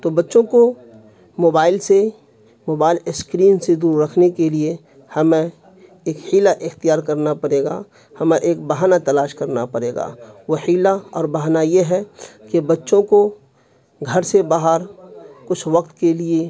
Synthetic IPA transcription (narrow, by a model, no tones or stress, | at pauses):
t̪obɐtːʃõko | moːbaːɪlse | moːbaːɪlɪskɾiːnsed̪uːɾːɐkʰnekelie | hɐmẽ | eːkhiːlaʔɪxt̪ijaːɾkɐɾnapɐɽeːɡa̰ː | hɐmẽʔeːk̚bɐɦaːnat̪ɐlaːʃkɐɾnapɐɽeːɡa̰ːʋohiːlaɔ̰ːɾbɐɦnajeɦɛkebɐtːʃõko | ɡʱɐɾsebaːɦəɾkʊt͡ʃʰʋɐk̚t̪kelie